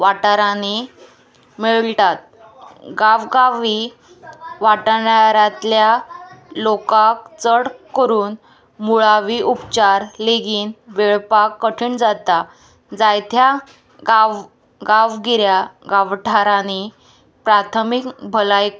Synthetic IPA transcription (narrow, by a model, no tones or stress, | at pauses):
ʋaʈaɾani | miɭt̪at̪̚ | ɡaʋɡaʋi | ʋaʈɳaɾãt̪ljalokak̚t͡səɽkəɾuːn | muɭaʋiʔupt͡ɕaɾleɡiːnʋeɭpakːəʈʰiːɳd͡zat̪a | d͡zajt̪ʰja | ɡaʋ | ɡaʋɡiɾjaɡaʋʈʰaɾani | pɾat̪ʰəmikbʱəlaj